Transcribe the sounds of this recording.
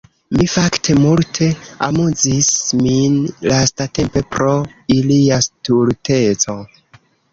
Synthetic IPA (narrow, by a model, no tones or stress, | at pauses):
mifaktʰe̞multʰe̞a̰muzisminlastate̞mpe̞pɾo̞iliastuɾtʰe̞t͡so̞